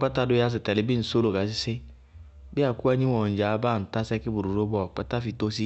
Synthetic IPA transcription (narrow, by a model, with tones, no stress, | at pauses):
k͡pa˦ta˦dʊ˦ja˧s̬ɪ˨tɛ˨lɪ˨˦bi˦n̩˨so˦lo˨ɡa˨˦s̬i˦sɪ˦ | bi˦a˨ku˦ɛ˧˦ɲi˦wɔ˨n̩˨d͡ʒa˨˦ba˦˨n̩˨ta˦sɛ˦ki˦bu˨ɾu˨ɾo˦bɔ˦˨k͡pa˦ta˦fi˨to˦si˦